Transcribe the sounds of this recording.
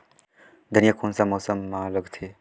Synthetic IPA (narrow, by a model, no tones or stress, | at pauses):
d̪ʱənijakʰoːnsamoːsəmːãləɡt̪ʰeː